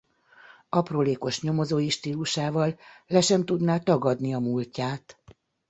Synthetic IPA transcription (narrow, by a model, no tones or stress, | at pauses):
ɒproːleːko̞ʃɲo̞mo̞zoːjiʃt̪iːluʃaːvɒlːɛʃɛmt̪ud̪naːt̪ɒɡɒd̪niɒmulcaːt̪